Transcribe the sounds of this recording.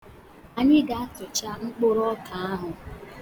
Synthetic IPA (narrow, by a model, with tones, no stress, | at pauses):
a˨ɲɪ˦ɡa˨a˦tʊ˨t͡ʃa˦ŋ͡m̩˦k͡pʊ˦ɾɔ˦ka˨a˦ɦʊ˨